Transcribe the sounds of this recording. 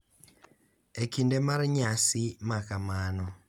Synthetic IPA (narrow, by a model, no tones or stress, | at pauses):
ekindemaɾɲasimakamanɔ